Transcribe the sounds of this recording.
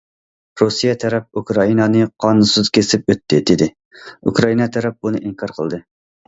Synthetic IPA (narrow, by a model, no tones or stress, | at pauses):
ɾusijɛt̪ʰɛɾɛp̚ukɾɑinɑnɨqʰɑnunsuz̥kʲʰesɪp̚øt̪ʰːɪd̪ed̪ɪ | ukʰɾɑinɑt̪ʰɛɾɛp̚bunɨʔiŋkʰɑɾqʰə̰lˠd̪ɨ